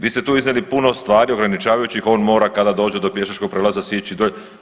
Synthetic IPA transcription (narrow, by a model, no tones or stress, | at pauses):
ʋiːst̪e̞t̪uːiznelipuno̞st̪ʋaːɾioɡɾanit͡ʃaːʋajut͡ɕixo̞ːnmo̞ːɾakad̪ad̪o̞ːd͡ʑed̪o̞pje̞ʃat͡ʃko̞ɡ̚pɾeːlazasjet͡ɕid̪o